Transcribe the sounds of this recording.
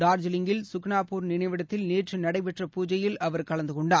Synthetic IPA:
ɖaːɾd͡ʒɪlɪŋɡɪlsʊkɳaːpuːɾnɪnɐɪʋɪɽɐt̪ːɪlneːʈrɯnɐɽɐɪpɛʈrɐpuːd͡ʒɐjɪlɐʋɐɾkɐɭɐnd̪ɯkɔɳɖaː

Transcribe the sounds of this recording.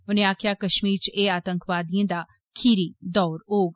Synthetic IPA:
ʊnẽaːkʰjakɐʃmiːɾt͡ʃeaːt̪ə̃ŋkʋaːd̪ijẽd̪aː | kʰiːɾid̪ɔːɾoːɡ

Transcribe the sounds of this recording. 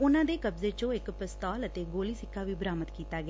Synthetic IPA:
ʊnãːd̪eːkəbzeːt͡ʃõɪkpəst̪aːlət̪eːɡoːliːsɪkʰːaːʋiːbəɾaːmət̪kiːt̪aːɡɪaː

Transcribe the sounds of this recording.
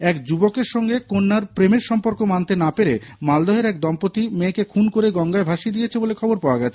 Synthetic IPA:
ɛkd͡ʑubokeɾʃɔŋɡekonːaɾpɾemeɾʃɔmpoɾkomant̪enapeɾemald̪ɔɦeɾɛk̚d̪ɔmpot̪imekekʰunkoɾeɡɔŋɡaebʱaʃid̪ijet͡ɕʰebolekʰɔboɾpaoaɡɛt͡ɕʰe

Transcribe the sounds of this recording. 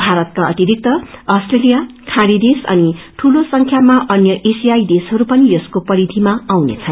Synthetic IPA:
bʱaɾʌt̪̚kaʌt̪iɾik̚t̪ʌʌsʈrelijakʰãɾid̪esʌ̰niʈʰulosʌŋkʰjamaʔʌnjʌʔesijajd̪esɦʌɾupʌnijʌskopʌɾid̪ʱimaawnḛt͡sʰʌn

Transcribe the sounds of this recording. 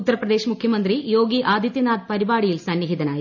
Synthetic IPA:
ut̪ːɐɾɐprɐd̪e̞ːɕɐmukʰjɐmɐnd̪rijo̞ːɡiʔaːd̪ʱjɐt̪jɐnaːd̪̚pɐɾibaːɽijilsɐnjɐɦid̪ɐnaːji

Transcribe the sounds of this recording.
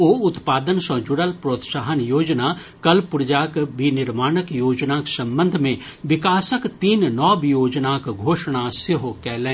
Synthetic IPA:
oːʊt̪paːd̪ənsɐ̃ːd͡ʒʊɽəlpɾoːt̪ʃaːɦənjoːd͡ʒnaː | kɐlpʊɾd͡ʒaːkbinɪɾmaːɽəkjoːd͡ʒnaksɐ̃mbə̃nd̪ʱmẽ | ʋɪkaːsəkt̪iːnnɔːbjoːd͡ʒnaːkɡʱoːʃɽ̃asɪɦokɛːlẽː

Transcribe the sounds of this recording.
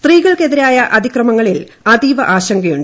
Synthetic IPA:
st̪riːɣɐɭke̞ðiɾaːjɐʔɐd̪ʱikrɐmɐŋːɐɭil | ɐd̪iːʋɐʔaːɕɐŋɡɐjuɳɖ

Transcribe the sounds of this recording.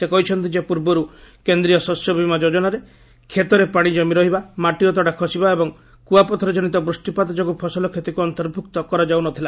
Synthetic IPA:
sekɔɦit͡ʃʰɔnt̪id͡ʒepuɾbɔɾukend̪ɾijɔsɔsjɔbʱimad͡ʒod͡ʒɔnaɾe | kʰet̪ɔɾepaɽ̃id͡ʒɔmiɾɔɦibamaʈiɔt̪ɔɽakʰɔsibaebɔŋ | kuapɔt̪ʰɔɾɔd͡ʒɔnit̪̬ɔbɾusʈipat̪ɔd͡ʒɔkupʰɔsɔlɔkʰet̪ikuɔnt̪ɔɾbʱukt̪ɔkɔɾad͡ʒawnɔt̪ʰila

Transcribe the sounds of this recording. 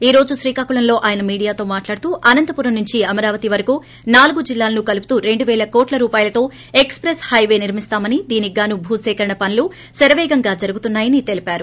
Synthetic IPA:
iːɾo̞ːd͡ʒuʃɾiːkaːkuɭɐnlo̞ːʔaːjɐnɐmiːɽijaːt̪o̞ːmaːʈlaːɽut̪uːʔɐnɐnt̪ɐpuːɾɐmnːuɲt͡ʃiɐmɐɾaːʋɐt̪iʋɐɾɐkuː | naːluɡud͡ʒilːaːlɐnukɐlup̬ut̪uːɾe̞ɳɖuʋɛːlɐkoːʈlɐɾuːpaːjɐlɐt̪o̞ː | e̞kspɾeshɐjʋe̞ːniɾmist̪aːmɐnid̪iːniɡaːnubʱuːsɛːkɐɾɐɳɐpɐnilu | sɐɾɐʋɛːɡɐŋɡaːd͡ʒɐɾuɡut̪unːaːjɐnit̪e̞lipaːɾu

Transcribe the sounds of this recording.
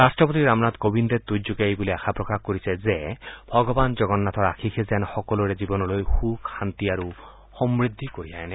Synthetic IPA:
ɾasʈɾɔpot̪iɾamnad̪kobind̪et̪ud͡ʒoɡajbuliaxʰapɾɔkahkɔɾisʰezebʱɔɡɔband͡ʒɔɡɔnːat̪ʰɔɾakʰikʰezɛnxɔkɔluɾed͡ʒibɔnɔlojxukxant̪iaɾu | hɔmɾid̪ʱːikoɾiaene

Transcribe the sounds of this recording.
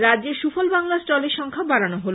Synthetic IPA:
ɾad͡ʑeɾʃufʰolbaŋlasʈɔleɾʃɔŋkʰabaɽanoɦolo

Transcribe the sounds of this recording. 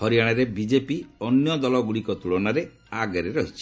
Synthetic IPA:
hɔɾijaɽ̃aɾebid͡ʒepiɔnjɔd̪ɔlɔɡuɽikɔt̪uɭɔnaɾe | aɡɔɾeɾɔɦit͡ʃʰi̥

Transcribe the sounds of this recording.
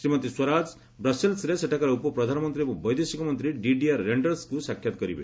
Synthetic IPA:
sɾimʌt̪iswɔɾad͡z | bɾʌselsɾeseʈʰakaɾɔupɔpɾɔd̪ʱanɔmɔnt̪ɾiekubɔjd̪esikɔmɔnt̪ɾiɖiɖiaɾːeɳɖʌɾskusakʰjat̪ɔɡʌɾibʱḛ

